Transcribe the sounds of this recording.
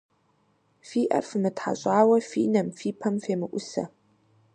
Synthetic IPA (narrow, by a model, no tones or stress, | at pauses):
fiːʔɐ̰rfɨmɨtħa̰ɕʼaːwɐfḭːnɐmfiːpʰɐmfeːmɨʔʷʊsɐ̰